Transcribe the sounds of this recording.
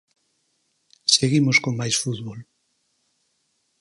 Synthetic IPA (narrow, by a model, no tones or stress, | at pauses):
seɣimoskoŋmajsfuðβol